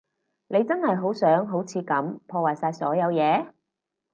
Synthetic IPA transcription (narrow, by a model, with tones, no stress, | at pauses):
ne˨˧jt͡sɐ˥nhɐ˨jɦo˨˥wsœː˨˥ŋɦo˨˥wt͡sʰiː˨˧kɐ˨˥mpʰɔː˧waː˨jsaː˧jsɔː˨˥jɐ˨˧wjɛː˨˧